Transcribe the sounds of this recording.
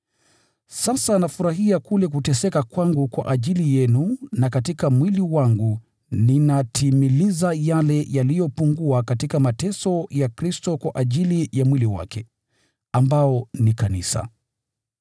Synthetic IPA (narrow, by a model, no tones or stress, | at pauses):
sasanafuɾahiakulɛk̬utɛsɛkakwaŋɡukwa̰ʔaʄilijɛnunakatikamwiliwaŋɡu | ninatʰimilizajalɛjalijɔpuŋɡuakatikamatɛsɔjakɾistɔkwaʔaʄilijamwiliwa̰kʰɛ | ambaɔnikanḭsa̰